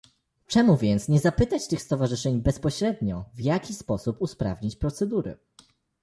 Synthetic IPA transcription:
t͡ʂɛmuvʲjɛnt̪sɲɛzapɘt̪at͡ɕt̪ɘxst̪ɔvaʐɘʂɛɲbɛspɔɕɾɛd̪ɲɔvjakʲispɔsupuspɾa̰vɲit͡ɕpɾɔt̪sɛd̪uɾɘ̰

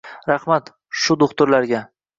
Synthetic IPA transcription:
ɾɑhmat̪ | ʃʊd̪ʊχt̪ʊɾlaɾɡʲa

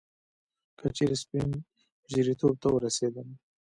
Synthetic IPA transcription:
kʰət͡ʃeɾespin | ʒiɾit̪ʰob̚t̪awəɾased̪əm

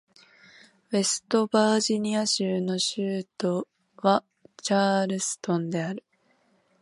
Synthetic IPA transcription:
βe̞sɨ̥t̪o̞baːʑiɲ̟iaɕɨːno̞ɕɨːt̪o̞ | βa | t͡ɕaːɾɯ̟sɨ̥t̪õ̞nd̪e̞aɾɯ̟

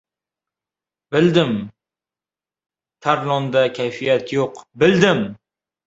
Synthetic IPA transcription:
bɪld̪ɪm | t̪ʰaɾlˠɒnd̪akʲʰajfijat̪joqbɪld̪ɪm

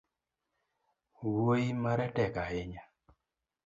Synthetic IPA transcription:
woimaɾɛtɛkaɪɲa

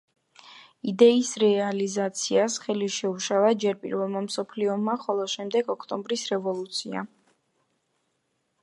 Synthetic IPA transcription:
id̪ɛisɾɛalizat̪sʰiasχɛliʃɛuʃavad͡ʒɛɾpʼḭɾvɛlˠmamsɔpʰliɔmaχɔlˠɔʃɛmd̪ɛɡɔkʰt̪ʼɔmbɾisɾɛvɔlˠut̪sʰia̰

